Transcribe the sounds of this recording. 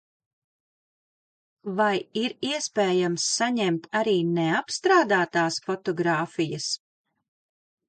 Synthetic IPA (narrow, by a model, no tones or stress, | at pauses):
vajiɾiɛspeːjamsːaɲɛmt̪aɾiːneapst̪ɾaːd̪aːt̪aːsfɔt̪ɔɡɾaːfijɐs